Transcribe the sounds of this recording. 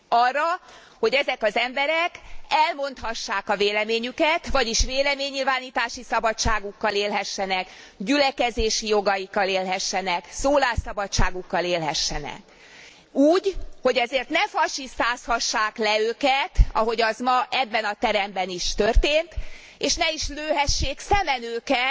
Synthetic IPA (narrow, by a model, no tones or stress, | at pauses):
ɒrːɒ | ho̞ɟɛzɛkɒzɛmbɛɾɛkɛlmo̞nt̪hɒʃːaːkɒveːlɛmeːɲykɛt̪vɒɟiʃʋeːlɛmeːɲːilvaːniːt̪aːʃisɒbɒt͡ʃːaːɡukːɒleːlɦɛʃːɛnɛkɟylɛkɛzeːʃijo̞ɡɒjikːɒleːlɦɛʃːɛnɛksoːlaːsɒbɒt͡ʃːaːɡukːɒleːlɦɛʃːɛnɛ̰k | uːɟhoɟɛzeːrt̪nɛfɒʃist̪aːshɒʃːaːklɛøːkɛt̪ɒ̰ɦo̞ɟɒzmɒʔɛbːɛnɒt̪ɛɾɛmbɛniʃt̪ørt̪eːnt̪ | eːʃnɛiʃløːɦɛʃːeːksɛmɛnøːkɛ